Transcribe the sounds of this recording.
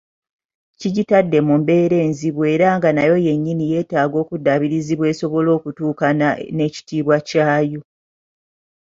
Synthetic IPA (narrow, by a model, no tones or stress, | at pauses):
ciɟitadːe̞mumbe̞ːɾe̞ːnziβwe̞ːɾaŋɡanajo̞je̞ɲːinije̞ːtaːɡo̞ːkudaβiɾiziβwe̞ːso̞βo̞lo̞ːkutuːkanane̞ci̥tiːβwacaːjo̞